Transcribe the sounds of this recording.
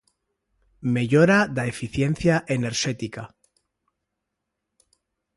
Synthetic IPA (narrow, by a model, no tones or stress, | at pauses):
me̞ʝoɾaðaefiθje̞nθjaʔene̞ɾʃet̪ika